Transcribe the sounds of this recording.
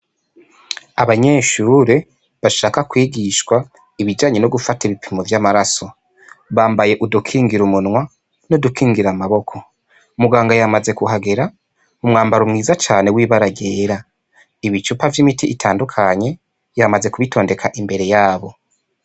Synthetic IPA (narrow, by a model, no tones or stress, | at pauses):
aβaɲe̞ːʃuːɾe̞ | βaʃaːkakwiːɡiʃkwa | iβid͡ʒaːɲe̞noɡufatiβipʰimovjamaɾaso̞ | βaːmbaje̞ʔudukʰiːŋɡiɾumunŋwa | nodukʰiːŋɡiɾamaβo̞kʰo̞ | umuɡaːŋɡajamaze̞kuɦaɡe̞ɾa | umŋaːmbaɾomŋiːzat͡ʃaːne̞wiːβaɾaɡeːɾa | iβit͡ʃupavjimitiʔːtʰaːndukʰaɲe̞ | jamaze̞kuβitʰo̞ːnde̞kʰaʔimbe̞ɾe̞jaːβo̞